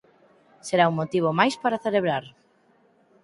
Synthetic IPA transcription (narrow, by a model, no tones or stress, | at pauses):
seɾauŋmot̪iβ̞omajspaɾaθeleβɾaɾ